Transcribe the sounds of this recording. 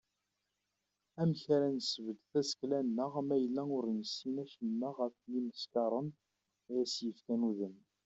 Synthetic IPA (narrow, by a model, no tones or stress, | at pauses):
æmçaɾænsəvəd̪θæsə̥klænːəʁmæjəlːæʊɾnəsinæçənːəʁəfliməskɑɾˤən | jæsjəfkænuðən